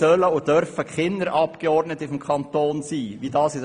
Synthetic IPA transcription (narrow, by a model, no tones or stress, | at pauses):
œləʊd̥œɾfəkχɪnːəɾʔɑpkeɔrdnətɪfɔmkχɑnt̪oːnsiːʋidɑːsɪd